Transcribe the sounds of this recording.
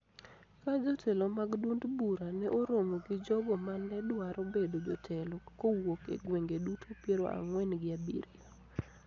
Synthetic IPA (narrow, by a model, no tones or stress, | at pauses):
kad͡ʒɔtʰɛlomaɡdundbuɾanɛʔoɾomoɡɪd͡ʒɔɡɔmanɛdwaɾʔobedod͡ʒɔtʰɛlokowokḛɡweŋɡedutʰopjeɾo̰ʔa̰ŋwɛnɡɪabḭɾio